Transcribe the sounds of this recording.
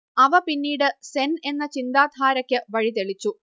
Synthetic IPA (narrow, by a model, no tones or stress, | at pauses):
ɐʋɐpinːiːɽɨse̞ne̞nːɐt͡ɕind̪aːd̪ʱaːɾɐkʲːɨʋɐɻit̪̬e̞ɭit͡ɕːu